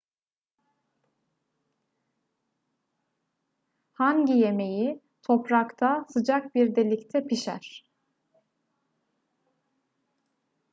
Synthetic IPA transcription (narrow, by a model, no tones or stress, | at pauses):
haɲɟije̞me̞ji | t̪ʰo̞pɾakt̪ʰasɯd͡ʒak̚biɾd̪elʲict̪ʰɛpʰiʃæ̰ɾ̥